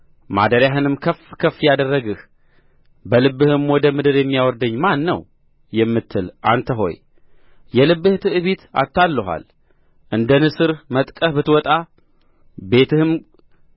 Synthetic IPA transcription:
ma̰d̪əɾjaɦɨnɨmkʰəfkʰəfːjad̪ərːəɡɨh | bəlɨbːɨhɨmwɔd̪əmɨd̪ɨɾjɛmːijawɔɾd̪əɲːmanːə̰w | jɛmːɨt̪ʰːɨlʔa̰nt̪ʰəɦo̞̰j | jɛlɨbːɨht̪ʰɨʔɨβet̪a̰t̪ʰːalːəɦʷa̰l | ʔɨnd̪ənɨsɨɾmət̪ʼkʼəhbɨt̪wɔt̪ʼa | be̞t̪ʰɨhɨm

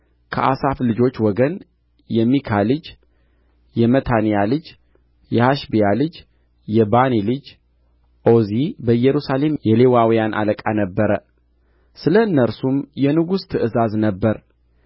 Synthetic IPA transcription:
kʰəʔa̰saflɨd͡ʒo̞t͡ʃːwɔɡən | jɛmːikʰalɨd͡ʒ | jɛmət̪ʰanijalɨd͡ʒ | jɛhaʃbijalɨd͡ʒ | jɛbanilɨd͡ʒ | ʔo̞zibəɨjːɛɾusale̞mjɛle̞wawijanʔa̰ləkʼanəbːəɾə | sɨləɨnːəɾsumjɛnɨɡust̪ʰɨʔɨzaznəbːəɾ

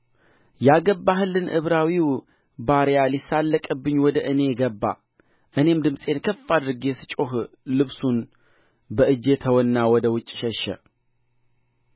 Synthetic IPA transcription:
jaɡəbːaɦɨlːɨnʔɨ̰βɾawiw | baɾjalisalːəkʼɨbːɨɲːwɔd̪əʔɨne̞ɡəbːa̰ | ʔɨne̞md̪ɨmsʼe̞nkʰəfːad̪ɨɾɨɡesɨ̥t͡ʃʼoɦ | lɨβsun | bəʔɨd͡ʒe̞t̪ʰəwɔnːawɔd̪əwʊt͡ʃʼːʃɛʃə̰

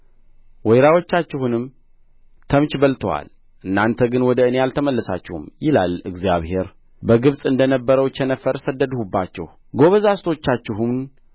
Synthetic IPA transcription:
wɔjɾawo̞t͡ʃːat͡ʃːɪhunɨm | t̪ʰəmt͡ʃbəlt̪ʰəwa̰l | ʔɨnːant̪ʰəɡɨnwɔd̪əɨnejalt̪ʰəməlːəsa̰t͡ʃːɛhṵmjɪla̰lɨɡzja̰βhe̞ɾ | bəɡɨβsʼɨnd̪ənəbːəɾəwt͡ʃːɛnəfəɾsəd̪ːəd̪hubːat͡ʃːɛ̰h | ɡo̞βəzast̪ʰo̞t͡ʃːat͡ʃːɪɦumn

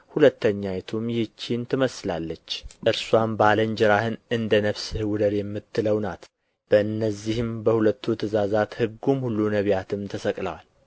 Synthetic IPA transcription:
hulət̪ːəɲːajɛt̪ʰumjɪt͡ʃːint̪ʰɨməslalːət͡ʃːʔɨɾswambaləɲd͡ʒɪɾahɨnɨnd̪ənəβsɨhɨwʊd̪əɾjɛmːɨt̪ʰːɨləwnat̪ | b̥əɨnːəzːihɨmbəhulət̪ʰːut̪ʰɨzazat̪hɨɡːumhulːunəβjat̪ʰɨmt̪ʰəsəkʼləwal

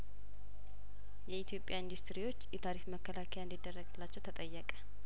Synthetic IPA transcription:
jɛit̪ʰijo̞pʼjaind̪ust̪ɾiwo̞t͡ʃːjɛt̪ʰaɾikməkʰːəlakʰəjand̪id̪ːərːəɡlːat͡ʃːɛwt̪ʰət̪ʼəjːəkʼə̥

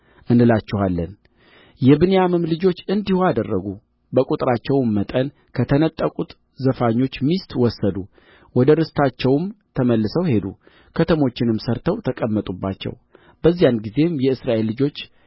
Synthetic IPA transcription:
ʔɨndɨlat͡ʃːɪhalːən | jɛbɨnejamɨmlɨd͡ʒo̞t͡ʃːɨnd̪ihoad̪ərːəɡu | bəkʼut̪ʼɾat͡ʃːɛwmːət̪ʼən | kʰət̪ʰənət̪ʼːəkʼut̪ | zəfaɲːo̞t͡ʃːmist̪wɔsːəd̪u | wɔd̪əɾɨst̪ʰat͡ʃːɛwmt̪ʰəməlːɨsəwhe̞d̪ṵ | kʰət̪ʰəmo̞t͡ʃːɪnɨmsəɾt̪ʰəwt̪ʰəkʼəmːət̪ʼubːa̰t͡ʃːɛ̰w | b̥əzːijanɡize̞mjɛɨsɾaʔe̞lːɨd͡ʒo̞t͡ʃː

